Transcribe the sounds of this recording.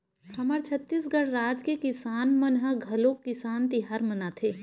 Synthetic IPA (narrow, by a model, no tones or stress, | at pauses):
ɐməɾt͡ʃʰɐt̪ːisɡəɽ̤ɾaːd͡ʒkekɪsaːnmənɦəɡʱɐlõkɪsaːnt̪ɪɦaːɾmənat̪ʰeː